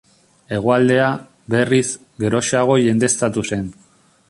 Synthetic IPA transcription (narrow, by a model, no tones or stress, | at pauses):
e̞ɣ̞oald̪e̞a | be̞riz | ɡe̞ɾo̞ʃaɣ̞o̞ʝe̞nd̪e̞st̪at̪use̞n